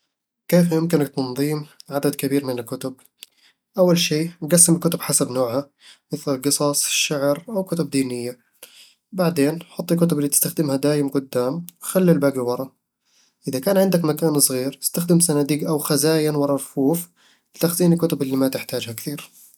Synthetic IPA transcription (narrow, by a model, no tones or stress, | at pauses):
keːfjʊmkɪnak̚t̪ɑnðˤiːmʕad̪ad̪kabiːɾmɪnɪlkʊt̪ʊb̚ | ʔawːalʃiːɡasːɪmɪlkʊt̪ʊbħasabnoːʕha | mɪθlɪlɡɨsˤɑsˤʃːaʕɾʔawkʊt̪ʊb̚d̪iːnɪjːa | baʕd̪eːnħʊt̪ˤːikʊt̪ʊbɪlːit̪ɪ̥st̪axd̪ɪmhad̪aːjɪmɡʊd̪ːaːmxalːilbaːɡiwɑɾˤɑ | ʔɪðakaːnʕɪnd̪akmakaːnsˤɣiːɾɪ̥st̪axd̪ɪmsanaːd̪iːɡʔawxazaːjanwɑɾˤɑɾfuːf | lɪt̪axziːnɪlkʊt̪ʊbɪlːimat̪ɪħt̪aːd͡ʒhakθiːɾ